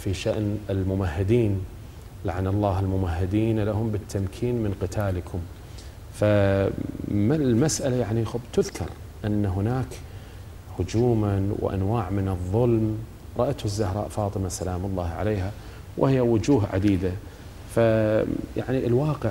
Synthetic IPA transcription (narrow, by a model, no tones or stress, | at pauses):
fiʃaʔnɪlmʊmahːɪd̪iːn | laʕanɑlˤːɑːhɪlmʊmahːɪd̪iːnlahʊmbɪt̪ʰːamkʰiːnmɪnqɪt̪ʰaːlkʰʊm | fa | malmasʔalajaʕnixbt̪ʊðkʰɑ̰ɾˤ | ʔanːaɦʊnaːk | hʊd͡ʒuːmanwʔa̰nwaːʕmɪnɨðˤːʊlm | ɾˤɑʔat̪hʊzːahɾˤɑ̰ːʔfɑːt̪ˤɨmasalaːmɑlˤːɑːhʕa̰leːɦa | wʔhɪjːawʊd͡ʒuːɦʕa̰d̪iːd̪a | faja̰ʕniʔɪlwɑːqəʕ